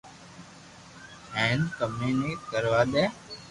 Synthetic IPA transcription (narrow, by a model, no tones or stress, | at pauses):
ɦɛ̃ːnkəmeːneːkəɾʋaːɗ̪ɛː